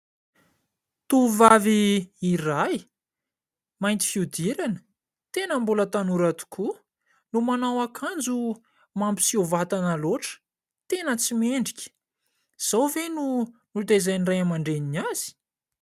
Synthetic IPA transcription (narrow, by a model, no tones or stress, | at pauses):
t̪uvaviːiraj | majnt̪i̥fiud̪iɾanə̥ | t̪enəmbulət̪anuɾat̪u̥kʰu | lumanawakʰand͡zu | mambi̥siovat̪anəloʈ͡ʂə̥ | t̪enət͡simeɳɖ͡ʐikʲə̥ | z̥awvenunut̪ezajnrajamaɳɖ͡ʐeninaz̥i̥